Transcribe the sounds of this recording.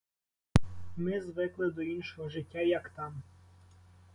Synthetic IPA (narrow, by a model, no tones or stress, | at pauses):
mɪzʋɪklˠɪd̪ɔinʃɔɦɔʒɪtʲːajɐkt̪ɑm